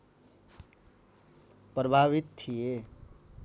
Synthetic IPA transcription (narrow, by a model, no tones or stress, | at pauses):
pɾəbʱaβit̪t̪ʰije